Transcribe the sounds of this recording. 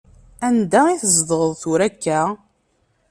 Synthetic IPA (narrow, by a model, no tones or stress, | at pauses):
ænd̪æiθəzˤd̪əʁəðˤθʊɾækːæ